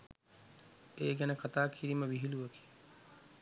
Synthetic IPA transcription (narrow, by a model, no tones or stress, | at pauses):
eːɡænəkat̪aːkʰiɾiməʋiɦiluʋəki̥